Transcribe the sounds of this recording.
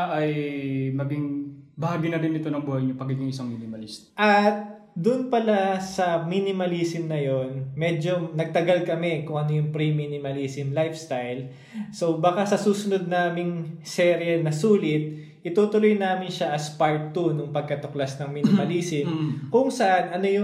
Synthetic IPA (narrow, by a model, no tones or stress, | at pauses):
ʔɐjmɐɡiŋbɐaːɡinɐɾɪnːɪt̪onɐŋbuːhɐjɲopɐɡɪnjʊŋɪsaŋminɪmɐlist̪ʔɐt̪̚ | d̪ʊnpɐlasɐminɪmɐliːsɪmnɐjo̞nmɛːd͡ʒo̞nɐɡ̚t̪ɐɡalkɐmɛkʊŋʔɐnojʊŋpɾiminɪmɐliːsɪmlajfst̪ajl | so̞baːkasɐsuːsʊnod̪̚naːmɪŋsɛɾiɛlnɐsuːlɪt̪̚ | ʔɪt̪uːt̪ʊlojnaːmɪnʃaʔɐspaɹt̪ːunʊŋpɐɡ̚kɐt̪oklasnɐŋmiːnɪmɐliːsɪmkʊŋsɐʔanɐno̞jʊ